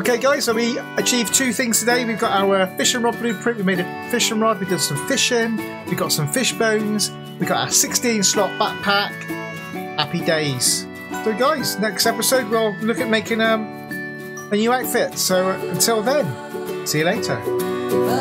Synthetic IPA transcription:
oʊkʰeɪɡaɪz̥səʊwiət͡ʃʰiːv̥tʰʉːθɪ̃ŋz̥tʰədeɪwivɡɒtaʊəfɪʃɪ̃nɹɒd̚blʉːpʰɹ̥ɪ̃ʔwimeɪɾə | fɪʃə̃nɹɒd̚widɪ̃d̥sə̃ɱfɪʃɪ̃n | wiɡɒtsə̃ɱfɪʃb̥ə̃ʊ̃nz̥ | wiɡɒta̰ʊəsɪkstĩnslɒʔ̚b̥aʔ̚pʰak | apideɪz̥ | səʊɡaɪz̥nɛkstɛpɪsəʊd̚wɪlˠlʊkəʔ̚meɪkɪ̃ŋʌ̃m | ənjʉːaʊtfɪtsoʊə̃ntʰɪlˠðə̃nˠ | siːjəleɪtʰə̰

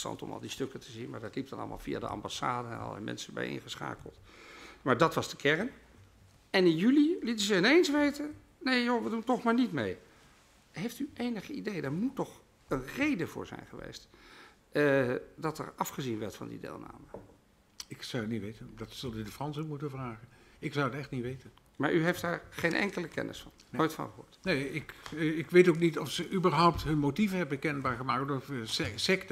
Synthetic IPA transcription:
stɑ̰ntɔ̰mɑ̰lˠdistɵkətʰəzinmaːɹdɑtlip̚dɑnɑ̰lˠəmaːlˠvija̰dəʔɑ̰mbasaːdəɛ̰nɑ̰lˠɛ̰mɛ̰nsəbɛ̰jʔɪ̰nχəsχa̰ːkəlˠtmaːɹdɑtʋɑzdəkʰɛɹən | ɛnɪnjylilitəzəɪnensʋejtən | nejjoʋəduntɔχmaːɹnitmej | ɦejftyʔejnəχəidejdaɹmutːɔχ | ənrejdəvʊ̰ːɹzɛ̰jnχəʋḛjst | dɑtɛ̰rɑfχəzinʋɛɹtfɑ̰ndḭdḛːlˠna̰ːmə | ɪksɑwətnitʋejtəndɑtsɑlˠdydəfrɑnsokmutənvraːχənɪksawətɛχtnitʋejtən | ma̰ːɹʔyɦɛjfdaːɹχejnʔɛ̰ŋkələkɛ̰nʔə̰sfɑnnojtfɑ̰̃nχəɦʊ̰ːɹtneɪkɪkʋejtowknitɔfsəʔybəɹɦɔwp̚tɦɵnmotivəɦɛbəkɛnbaːɹχəmaːkɔfəsɛkt

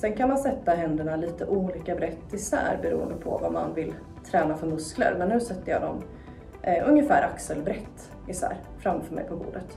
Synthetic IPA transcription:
sɛnkʰanmansɛt̪ːaɦɛnd̪əɳaliːt̪əʔuːliːkabɾɛt̪ːɪsæ̰ːɾbɛɾṵːə̰nd̪əpʰɔ̰va̰ma̰nvɪl | t̪ʰɾɛːnafœɾmɵsklə̰ɾmɛnːʉ̟ːsɛt̪ːəjɑ̰d̪ɔm | ɵŋjəfæːɾʔaksəlbɾɛt̪ː | ɪsæ̰ːɾ | fɾamːfœːɾmɛ̰jpʰɔbṵːɖət̪

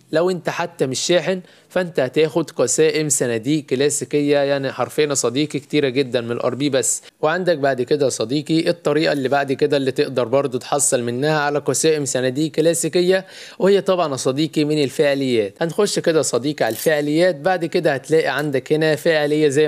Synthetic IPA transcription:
læwʔent̪æħat̪ːæmɪʃːæːħen | fæʔent̪æhæt̪æːxod̪qɑsæːʔemsænæd̪iːʔkːlæːsikejːæjaʕniħɑɾˤfeːnæsˤɑd̪iːkikt̪iːɾæɡed̪ːænmenelʔɑ̰ɾˤbiːbæsː | weʕand̪æk̚baʕd̪ked̪æsˤɑd̪iːqiʔet̪ˤːɑɾiːʔɑlːiːbaʕd̪iked̪ælːiːt̪eʔd̪ɑɾˤbɑɾˤd̪ˤut̪ħɑsˤːelmenːæːhæʕalæqɑsæːʔemsænæd̪iːʔkːlæːsikejːæ | wehejːæt̪ˤɑbʕɑnʔɑsˤɑd̪iːqimenelfeʕelejːæːt̪hænxoʃːked̪æsˤɑd̪iːqiʕalælfeʕelejːæːt̪̚baʕd̪ked̪æhæt̪læːʔiʕand̪ækhenæfeʕelejːæzæj

